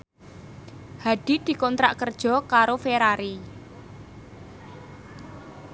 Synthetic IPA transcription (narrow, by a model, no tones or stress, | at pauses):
haɖ̥i̤d̪̥i̤kɔnt̪ɾaʔkərd̥ʒ̥ɔ̤kaɾofeɾaɾi